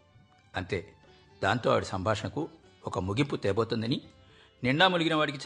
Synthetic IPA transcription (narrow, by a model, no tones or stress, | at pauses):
ɐnt̪e̞ː | d̪aːnt̪o̞̰ːʋɐɽisɐmbʱaːʂɐɳɐku | ɔkɐmuɡimput̪ɛːboːt̪und̪ɐni | niɳːaːmuluɡinɐʋaːɽik̬it͡ʃ